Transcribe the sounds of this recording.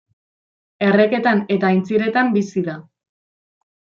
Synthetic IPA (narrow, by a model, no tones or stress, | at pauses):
e̞re̞ke̞t̪ane̞t̪aːjnt͡siɾe̞t̪ambisiða